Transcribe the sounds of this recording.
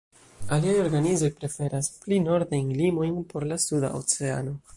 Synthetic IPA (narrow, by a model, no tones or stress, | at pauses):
aliajo̞ɾɡanizo̞jpɾe̞fe̞ɾasplino̞ɾdajnlimo̞jnpo̞ɾlasuda̰ʔo̰t͡se̞a̰no̞